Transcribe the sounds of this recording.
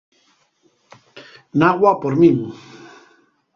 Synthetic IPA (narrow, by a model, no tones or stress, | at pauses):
naɣwapoɾmiŋ